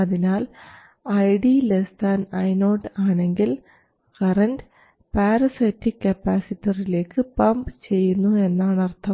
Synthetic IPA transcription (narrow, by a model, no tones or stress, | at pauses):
ɐðinaːl | ɐjɖilest̪aːnɐjno̞ːɖaːɳe̞ŋɡil | kɐrɐnd | paːɾɐsetːikːɐpːaːsitːirile̞ːkːɨpɐmpɨt͡ɕe̞jːunːue̞nːaːɳɐrt̪ʰɐm